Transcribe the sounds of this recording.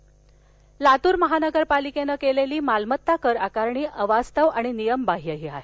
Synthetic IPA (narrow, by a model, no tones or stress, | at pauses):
lat̪uːɾməɦanəɡəɾpalikenəkeleliːmalmət̪ːakəɾakaɾɳiːʔəʋast̪əʋaɽ̃inijəmbaɦijəɦiɦae